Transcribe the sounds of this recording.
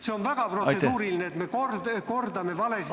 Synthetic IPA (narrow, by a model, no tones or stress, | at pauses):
se̞o̞nvæɡ̥ɑprosset̪uːɾilineːt̪me̞kord̪ko̞rd̪ɑme̞vɑles